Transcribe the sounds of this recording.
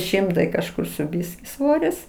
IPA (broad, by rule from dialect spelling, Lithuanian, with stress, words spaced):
ˈʃʲɪmtɐɪ kɐʃˈkʊr sʊ ˈbʲɪsʲkʲɪ ˈsʋoːrʲɪs